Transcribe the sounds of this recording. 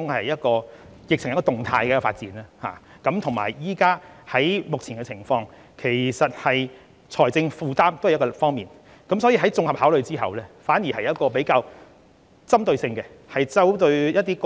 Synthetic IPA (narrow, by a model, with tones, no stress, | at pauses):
ʊ˥ŋɐ˨jjɐ˥t̚kɔː˧ | jɪ˨k̚t͡ɕʰɪ˨˩ŋjɐ˥kɔː˧t̪ʊ˨ŋt̪ʰaː˧jkɛː˧˥kɔ˧fa̰ː˧t̚t͡siː˨˥naː˥ha̰ː˨˩ | kɐ˨˥mt̪ʰʊ˨˩ŋma̰ː˨˩jjiː˥kaː˥hɐ˨˥jmʊ˨k̚t͡sʰiː˨˩nkɛ˧t͡sʰɪ˨˩ŋfɔː˧ŋ | kʰe˨˩jsɐ˨t̚hɐ˨j | t͡sʰɔː˨˩jt͡sɪ˧ŋfuː˨˧t̪aː˥mt̪o˥whj̚kɔ˧˨fɔː˥ŋmiː˨n | kɐ˨˥msɔ˨˥jiː˧ɦɐ˨˥jt͡sʊ˧ŋhɐ˨p̚haː˨˥wlɵ˨ɥt͡siː˥ɦɐ̰˨wlɛː˥faː˨˥nji˨˩hɐ˨jɐ˥t̚kɔː˧pe˨˥jkaː˧w | t͡sɐ˥mt̪ɵ˧ɥsɪ˧ŋkɛ˧ | hɐ˨jt͡sɐ˥wt̪ɵ˧ɥjɐ˥t̚t̪iː˥k